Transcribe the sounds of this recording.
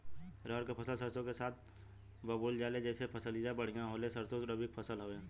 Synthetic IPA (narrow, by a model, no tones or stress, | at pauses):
ɾɔɦəɾkepʰəsəlsəɾsõkesaːt̪̚ʰ | bəbuːld͡ʒaːled͡ʒɛːsepʰəsəlijabəɽ̤ijãɦoːlesəɾsoɾəbʱik̚pʰəsəlɦoːẽː